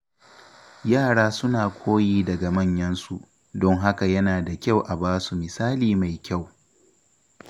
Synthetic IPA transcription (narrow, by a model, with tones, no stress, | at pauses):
jaː˦˨ɽaː˦sʊ˦naː˨kʷʰoː˦jiː˦dɐ˨ɡa˨mɐ˦˨ɲjɐ˦nsu˦ʔ | dɔ˦ŋɦa˦ka˨jɐ˦naː˨da˨kʲa˦˨wʔa˨baː˦su˨mɪ˨saː˦liː˨ma˨jkʲa˦˨w